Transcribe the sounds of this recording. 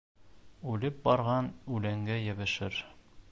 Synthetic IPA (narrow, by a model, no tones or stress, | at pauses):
ʉlɘp̚bɒɾʁɑnʉlæŋɡæjɘ̆βɘ̆ʃɘɾ